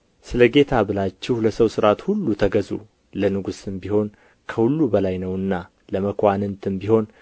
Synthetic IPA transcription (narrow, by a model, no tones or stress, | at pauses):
sɨləɡe̞t̪ʰabɨlat͡ʃːɪhləsəwsɨɾat̪hulːut̪ʰəɡəzṵ | lənɨɡusɨmbiho̞n | kʰəhulːubəlajnəwɨnːa | ləməkʰʷanɨnt̪ʰɨmbiho̞n